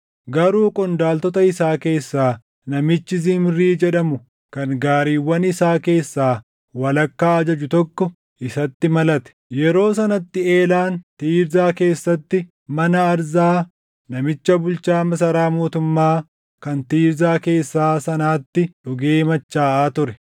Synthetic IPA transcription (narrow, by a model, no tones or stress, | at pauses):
ɡɐɾuːkʼɔnd̪aːlt̪ɔt̪ɐɪsaːke̞ːsːaː | nɐmɪt͡ʃːɪzɪmɾiːd͡ʒɛᶑɐmʊ | kɐnɡaːɾiːwːɐnɪsaːke̞ːsːaː | wɐlɐkːaːɐd͡ʒɐd͡ʒʊt̪ɔkːɔ | ʔɪsɐt̪ːɪmɐlɐt̪ɛ̥jɛɾo̞ːs̬ɐnɐt̪ːɪe̞ːlaːnt̪iːɾzaːke̞ːsːɐt̪ːɪ | mɐnɐːɾzaː | nɐmɪt͡ʃːɐbʊlt͡ʃaːmɐs̬ɐɾaːmoːt̪ʊmːaː | kɐnt̪iːɾzaːke̞ːsːaːsɐnaːt̪ːɪᶑʊɡeːmɐt͡ʃːaːʔaːt̪ʊɾɛ